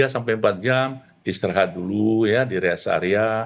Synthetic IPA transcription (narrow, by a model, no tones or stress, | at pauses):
asampajmpat̪̚d͡ʒam | ist̪ɾaɦat̪̚dulujadiɾeasa̰ɾia